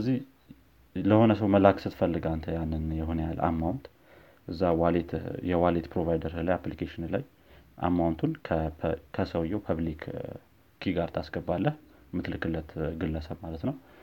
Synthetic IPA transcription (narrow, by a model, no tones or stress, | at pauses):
ɨəzːih | ləho̞nəsəwməlaksɨt̪fəlːɨɡant̪ʰəjanːɨnjɛɦonjalʔa̰mːawnt̪ | ʔɨzːawalet̪jɛwalet̪pɾo̞vajd̪əɾlajaplikʰeʃɪnlaj | ʔa̰mːawnt̪ʰunkʰkʰəsəwjːɛwpʰaβlikʰ | kʰːiɡaɾt̪ʰasɡəbːalːəh | mɨt̪lɨkʰɨlːət̪ɡɨlːəsəβmalət̪nəw